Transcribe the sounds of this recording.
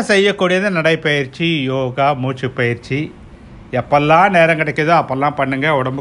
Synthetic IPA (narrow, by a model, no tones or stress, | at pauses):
sɛjːɐkːuːɽijɐðɯnɐɽɐɪpɐjɪɾt͡ʃːijoːɣaːmuːt͡ʃːɯpːɐjɪɾt͡ʃi | ɛpːɐlːãːneːɾɐŋɡɐɽɐkːɐðɯɐpːɐlːãːpɐɳːɯŋɡɐʊɽɐmb